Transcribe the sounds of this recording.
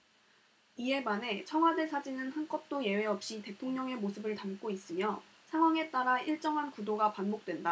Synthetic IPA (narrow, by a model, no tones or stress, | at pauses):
ie̞mane̞t͡ɕʰʌŋɦwadɯɭsʰad͡ʑinɯnhank͈ʌp̚t͈oje̞we̞ʌp̚ɕ͈ite̞tʰoŋɲʌŋe̞mosʰɯbɯɭtamk͈ois͈ɯmjʌ | sʰaŋwaŋe̞t͈aɾaiɭt͡ɕ͈ʌŋɦankudoɡapanbok̚t͈wenda